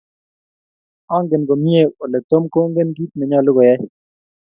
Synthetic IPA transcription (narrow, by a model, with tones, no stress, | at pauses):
ɔ˦ŋɡe˨nɡo˨mje˦˨o˨lɛ˨t̪o˦mko˦ŋɡe˦nɡi˦t̪̚mɛ˨ɲɔ˦lʊ˦ɡɔ˨jɛ˦